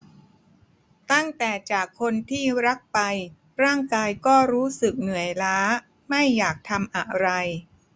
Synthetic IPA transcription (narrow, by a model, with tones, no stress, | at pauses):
t̪a˥˩ŋt̪ɛː˨˩t͡ɕaː˨˩kʰːo˧nt̪ʰiː˥˩ɾa˦˥k̚pa˧j | ɾaː˥˩ŋkaː˧jkɔː˥˩ɾuː˦˥sɯ˨˩k̚nɯ˨˩˦ə˦jlaː˦˥ | ma˥˩jːaː˨˩k̚t̪ʰa˧mʔa˨˩ɾa˧j